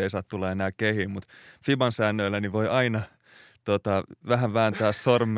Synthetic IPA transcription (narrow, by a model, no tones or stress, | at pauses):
eisɑːt̪t̪ulːɑenæːkkehiːmmut̪fibɑnsæːnːøilːæniʋojɑinɑ | t̪ot̪ɑʋæhæʋæːnt̪æːssorm